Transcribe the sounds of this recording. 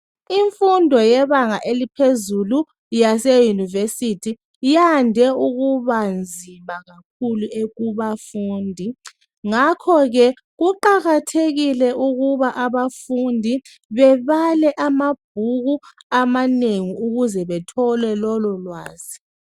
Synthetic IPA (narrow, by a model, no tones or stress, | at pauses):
iɱfundʱɔjɛβaŋaʔelipʰezulu | jasejunivesitʰi | jandʱɛuɣuβand͡zʱimaɣak̚ʰuluʔeɣuβafuːndʱi | ŋakʰɔɣɛ | ɣuǃaɣatʰeɣilɛʔuɣuβaʔaβafundʱi | βɛβalɛʔamab̥̚ʱuɣuamaneŋiuɣuzɛβɛtʰɔlɛlɔlɔlwaːz̥i̥